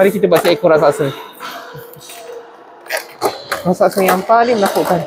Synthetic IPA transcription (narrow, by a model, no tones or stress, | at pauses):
aɾikit̪əbasaʔikoɾasasəŋ | rasasəŋjaŋpalɪŋmənakoʔkan